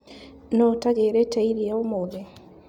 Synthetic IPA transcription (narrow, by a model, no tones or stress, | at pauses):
nɔtaɡeːɾɛtaiɾiaomoðɛ